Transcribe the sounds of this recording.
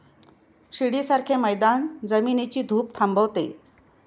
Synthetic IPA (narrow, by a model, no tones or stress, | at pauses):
ɕiɽisaɾkʰeməjd̪and͡zəminit͡ɕiːd̪ʱuːp̚t̪ʰambəʋt̪ḛ